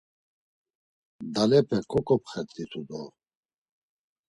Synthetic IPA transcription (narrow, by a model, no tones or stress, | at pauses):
d̪alɛpʰɛkʰɔkʼɔpχɛt̪d̪it̪ʰud̪ɔ